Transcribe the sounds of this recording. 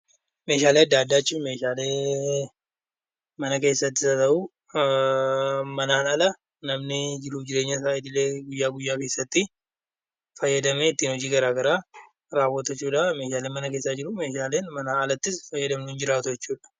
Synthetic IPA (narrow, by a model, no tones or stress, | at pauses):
me̞ːʃaːleːɐd̪ːaːd̪ːaːt͡ʃːɪme̞ːʃaːleː | mɐnɐke̞ːsːɐt̪ːɪsɐt̪ɐʔuː | mɐnaːnɐlɐ | nɐmnɪd͡ʒɪɾud͡ʒɪɾe̞ːɲːɐsaːɪd̪ɪleːɡʊjːaːɡʊjːaːke̞ːsːɐt̪ːɪ | fɐjːɐd̪ɐmeːɪt̪ːiːnhɔd͡ʒiːɡɐɾaːɡɐɾaː | ɾaːwːɔt̪ɐt͡ʃːuːᶑɐmeːʃaːleːnmɐnɐke̞ːsːad͡ʒɪɾume̞ːʃaːleːnmɐnaːɐlɐt̪ːɪsfɐjːɐd̪ɐmnʊɪnd͡ʒɪɾaːt̪ʊjɛt͡ʃːuːᶑɐ̥